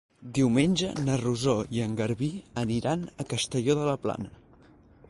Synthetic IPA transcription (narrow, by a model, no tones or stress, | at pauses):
d̪iwmenʲd͡ʒənəruzoiəŋɡəɾβiəniɾanəkəst̪əʎoðələpla̰nə